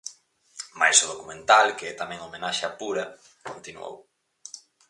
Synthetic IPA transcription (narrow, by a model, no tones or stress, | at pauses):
ma̰jsoð̞okument̪alkeɛt̪amɛ̃ŋomenaʃɐpuɾɐ | kont̪inw̰o̰w